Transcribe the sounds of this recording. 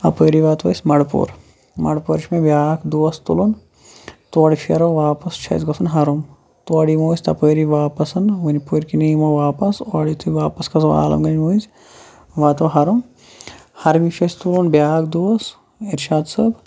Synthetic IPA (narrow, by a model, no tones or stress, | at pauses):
ɐpəːɾiʋaːt̪ʋɐ̰sʲmɐɽpṵːɾ | mɐ̰ɽpuɾʃmebʲjaːkd̪uʋɐst̪ṵlun | t̪uɐɽipʰiɐɾoʋaːpɐst͡ʃʰɐ̰zɡɐsɐnɦɐɾum | t̪uɐɽimoːsʲt̪ɐpəːɾiʋaːpɐsɐnʋɐnipuːɾkiniːmoʋaːpɐsɐɽit̪ʰuʋaːpɐskɐsa̰ːlɐ̰mɡɐnmoːizʲ | ʋaːt̪oɦɐɾum | hɐɾmit͡ʃʰɐsʲt̪ulunbʲjaːkʰd̪uɐs | iɾʃaːd̪sɐb